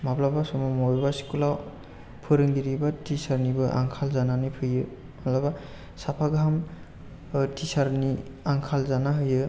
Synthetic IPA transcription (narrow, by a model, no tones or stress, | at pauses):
mablabasɔmamɔbasi̥kulaw | pʰɯɾɯŋdiɾibatʰisaɾnibɯʔa̰ŋkʰalzananɯpʰɯjɯ | alɔba | sapʰaɡam | tʰisaɾni | aŋkʰalzanaɦɯjɯ